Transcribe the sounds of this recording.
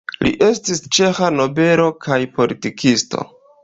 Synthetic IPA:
lḭʔe̞stist͡ʃe̞xano̞be̞ɾo̞kʰajpo̞litikʰisto̞̰

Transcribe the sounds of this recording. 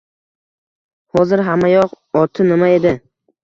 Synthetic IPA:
hɒzɪɾɦamːajɒq | ɒt̪ʰɪnɪmae̞d̪ɪ

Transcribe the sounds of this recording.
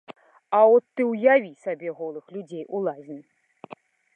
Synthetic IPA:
aɔt̪ːɨwjavʲisabʲɛɣɔlˠɨxlʲud͡zʲejʔulˠazʲnʲi

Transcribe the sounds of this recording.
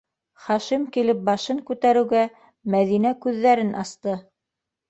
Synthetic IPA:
χɑʃimkilɘp̚bɑʃɤŋkʉt̪æɾɘ̆wɡæ | mæðinækʉðːæɾɘnʔɑst̪ɤ

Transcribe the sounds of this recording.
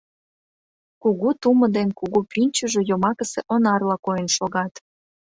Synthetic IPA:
kuɣut̪umə̆d̪enkuɣupinʲt͡ɕəʒejomɑkəsḛʔonɑrlɑkojənʃoɣɑt̪

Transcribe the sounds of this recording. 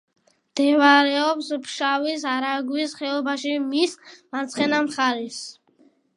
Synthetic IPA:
md̪̥ɛvaɾɛɔpspʰʃavisaɾaɡwisχɛɔbaʃimismat̪sʰχɛnamχaɾis

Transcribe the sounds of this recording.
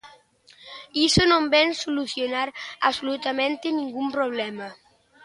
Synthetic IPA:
isonõmbɛnsoluθjonaɾa̰solut̪amẽnt̪enĩŋɡumpɾoβlɛma

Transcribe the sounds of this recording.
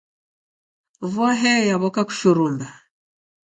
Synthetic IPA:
vɔɦɛjaβɔkaku̥ʃuɾumba

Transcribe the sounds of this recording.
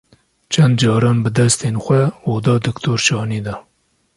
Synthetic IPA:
t͡ʃʰɛnd̪d͡ʒɑːɾɑːnbɨd̪ɛst̪eːnxʷɛoːd̪ɑːd̪ɨkt̪ʰoːɾʃɑːniːd̪ɑ

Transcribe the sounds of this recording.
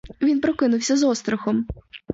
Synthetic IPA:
ʋʲinpɾɔkɪnʊwsʲɐzɔst̪ɾɔxɔm

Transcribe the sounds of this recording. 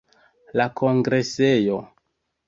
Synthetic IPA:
lakʰoŋɡɾesejo

